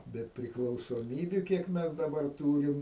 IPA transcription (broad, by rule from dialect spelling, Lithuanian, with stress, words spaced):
ˈbʲɛt pʲrʲɪklˠɐʊsoːˈmʲiːbʲʊ ˈkʲiɛk ˈmʲɛs dɐˈbɐr ˈtuːrʲɪm